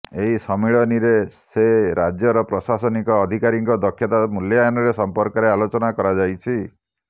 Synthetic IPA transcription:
eɦisɔmiɭɔniɾeseɾad͡ʒjɔɾɔpɾɔsasɔnikɔːd̪ʱikaɾiŋkɔd̪ɔkʰːjɔt̪amuljajnɔɾesɔmpɔɾkɔɾealot͡ʃɔnakɔɾad͡ʒajt͡ʃʰi

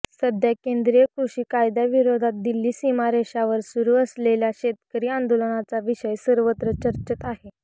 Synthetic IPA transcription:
səd̪ʱjakend̪ɾijəkɾuɕiːkajd̪jaʋiɾod̪ʱat̪̚d̪ilːiːsimaɾeɕaʋəɾsuɾuːəsleljaɕet̪kəɾiːãnd̪olənat͡saʋiɕəjsəɾʋət̪ɾət͡ɕəɾt͡ɕət̪aɦe

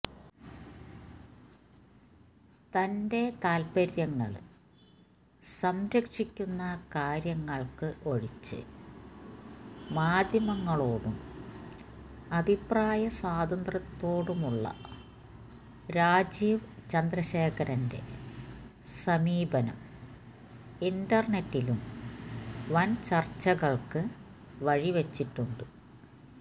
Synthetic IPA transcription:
t̪ɐnde̞t̪aːlpɐɾjɐŋːɐ̰ɭ | sɐmɾɐkʂikʲːunːɐkaːɾjɐŋːɐɭkɨʔo̞ɻit͡ɕːɨ̰ | maːd̪ʱjɐmɐŋːɐɭo̞ːɽum | ɐbʱipraːjɐsaːd̪ɐnd̪rɐt̪ːo̞ːɽumuɭːɐ̰ | ɾaːd͡ʑiːʋt͡ɕɐnd̪rɐɕe̞ːkʰɐɾɐnde̞̰ | sɐmiːbɐnɐ̰m | indɐrɳetːilum | ʋɐnt͡ɕɐrt͡ɕːɐɣɐɭkɨ | ʋɐɻiʋet͡ɕːitːuɳɖɨ

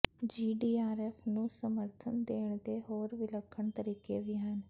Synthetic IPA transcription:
d͡ʒiːɖiːaːɾɛːpʰnũːsəməɾt̪ʰənd̪eːɳd̪eːɦoːɾʋɪləkʰːəɳt̪əɾiːkeːʋiːɦən

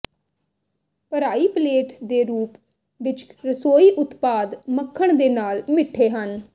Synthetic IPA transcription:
pəɾaːiːpleːʈd̪eːɾuːp | ʋɪt͡ʃɾəsoːiːʔʊt̪paːd̪məkʰːəɳ̃d̪eːnaːlmɪʈʰːeːɦən

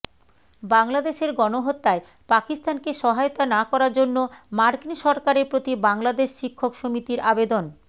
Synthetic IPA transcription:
baŋlad̪eʃeɾɡɔnoɦot̪ːae | pakist̪ankeʃɔɦajot̪anakɔɾaɾd͡ʑonːomaɾkinʃɔɾkaɾeɾpɾot̪ibaŋlad̪eʃʃikʰːokʃomit̪iɾabed̪on

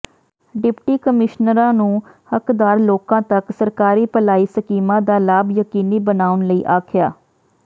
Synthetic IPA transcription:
ɖɪpʈiːkəmɪʃnəɾãːnũː | həkd̪aːɾloːkãːt̪əksəɾkaːɾiːpəlaːiːsəkiːmãːd̪aːlaːbjəkiːniːbənaːʊnləiːʔaːkʰjaː

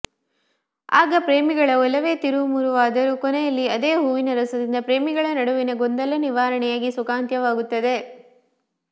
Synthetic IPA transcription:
aːɡɐpɾeːmiɡɐɭɐɔlɐʋe̞ːt̪iɾumuɾuʋaːd̪ɐɾukɔnɛjɐlːiɐd̪eːɦuːʋinɐɾɐsɐd̪ind̪ɐpɾeːmiɡɐɭɐnɐɽuʋinɐɡɔnd̪ɐlɐniʋaːɾɐɳɛjaːɡisukaːnt̪jɐʋaːɡut̪ːɐd̪e̞

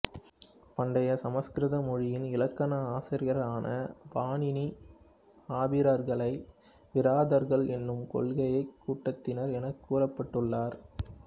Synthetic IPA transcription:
pɐɳɖɐjɐsɐmɐskɾɪðɐmɔɻɪjɪnɪlɐkːɐnɐaːsɪɾɪjɐɾɾaːnɐbaːnɪni | aːbɪɾɐɾɣɐɭɐɪ | ʋɪɾaːðɐɾɣɐɭɛnːɯmkɔ̰lɣɐjɐɪkːuːʈːɐt̪ːɪnɐɾɛnɐkːuːrɐpːɐʈːɯɭːaːɾ

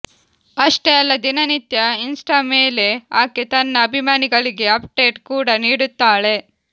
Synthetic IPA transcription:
ɐʂʈeɐlːɐd̪inɐnit̪jɐinsʈaːmeːle̞aːket̪ɐnːɐːbʱimaːniɡɐɭiɡe̞ɐpɖe̞ːʈkuːɽɐniːɽut̪ːaːɭe̞

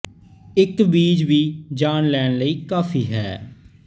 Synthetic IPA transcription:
ɪkbiːd͡ʒʋiːd͡ʒaːnlɛːnləiːkaːfʰiːɦɛ̰ː

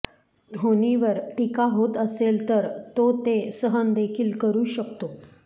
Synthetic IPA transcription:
d̪ʱoniʋəɾʈikaɦot̪əselt̪əɾt̪ot̪esəɦənd̪ekʰiːlkəɾuːɕəkt̪o

